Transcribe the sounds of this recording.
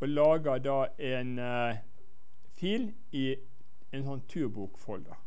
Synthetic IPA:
ʔolɑːɡəd̪ɑːʔeːn | fiːl | iː | ɛnsɔnt̪ʰʉːbuːkfɔld̪ɑ̰

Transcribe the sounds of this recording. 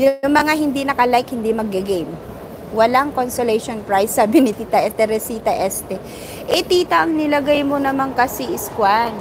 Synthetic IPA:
jʊʊŋmɐŋaɦɪnd̪inɐkɐlajkhɪnd̪imɐɡ̚ːɐɡejm | wɐlaŋkonsolɛjʃonpɹajsabɪnɪt̪iːt̪ɐʔɛt̪ɛɾɛsiːt̪ɐʔɛst̪ɛ | ʔɛt̪iːt̪ɐʔɐŋnɪlɐɡajmo̞nɐmaŋkɐsiʔɪskwan

